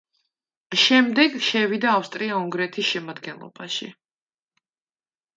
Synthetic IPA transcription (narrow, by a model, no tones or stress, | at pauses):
ʃɛmd̪ɛɡʃɛvid̪aːfst̪ʼɾiauŋɡɾɛt̪ʰisʃɛmad̪ɡɛnlˠɔ̰baʃḭ